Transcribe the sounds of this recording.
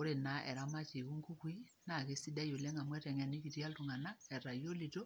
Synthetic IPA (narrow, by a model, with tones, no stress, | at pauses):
o˦ɾe˨na˦ʔɛ̰˨ɾa˦ma˦t͡ʃi˨ku˦ŋku˦kwi˦ | na˨ke˦si˦da˦jo˨lɛ˦ŋa˨mwɛ˦tɛ˨ŋɛ˨ni˦ki˨tja˦ltu˨ŋa˨na˦ɛ˨ɾa˨jo˦li˨to˦